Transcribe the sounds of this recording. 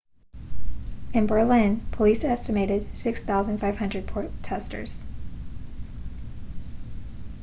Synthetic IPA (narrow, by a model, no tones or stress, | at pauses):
ɨ̃nbə˞lɪ̃npʰəlisɛstɨmeɪɾɨd̥sɪksθaʊzɨ̃nd̥faɪv̥hʌ̃ndɹɨd̚pʰɔɹtʰɛstə̰˞z̥